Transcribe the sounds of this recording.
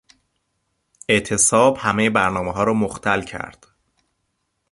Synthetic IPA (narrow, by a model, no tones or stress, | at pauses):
e̞ʔt̪ʰe̞sɒːbhæmejebæɾnɒːmeɦɒːɾɒːmoxt̪ʰælcʰæ̰ɾd̪̥